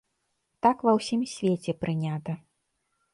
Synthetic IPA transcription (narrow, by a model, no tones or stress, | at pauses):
t̪akvɐwsʲimsʲvʲet͡sʲɛpɾɨnʲat̪ɐ